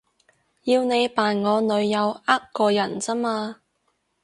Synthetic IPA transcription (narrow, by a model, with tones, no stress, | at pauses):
jiː˧wne˨˧jpaː˨˩nŋɔː˨˧nɵ˨˧ɥjɐ˨˧waː˥kkɔː˧jɐ˨˩nt͡sɐ˥maː˧